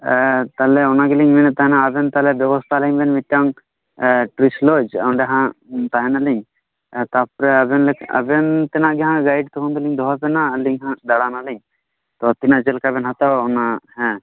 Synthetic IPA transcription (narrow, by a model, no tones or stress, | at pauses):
t̪alɛɔnaɡɛliɲmɛnɛt̪aɦɛnaːbɛnt̪alɛbjɛbɔst̪ʰaliɲbɛnmit̚ːaŋ | ʈɾislod͡ʒa̰wnɖɛɦãt̪aɦɛnalɛɲ | t̪apɔɾɛabɛnlɛkʰa̰bɛnt̪ɛnaʔɡɛɦãɡajɖt̪ɔɦund̪ɔliɲd̪ʱɔɦapɛnaliɲɦãd̪aɽanalɛɲ | t̪ɔt̪inaʔd͡ʒɛlkabɛnɦat̪awɔnaɦɛ̃